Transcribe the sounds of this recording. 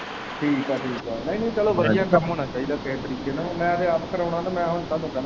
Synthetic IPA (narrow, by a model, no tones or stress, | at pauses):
ʈʰiːkaːʈʰiːkaːnə̃ĩnə̃ĩt͡ʃɛːlõːʋəd̪ijaːkəmɦoːnaːt͡ʃaːiːd̪aːkeːt̪əɾiːkeːnãːmɛ̃ːəd̪eːatkəɾəːnãːt̪aːmɛ̃ːɦʊnt̪aːd̪õːkɛ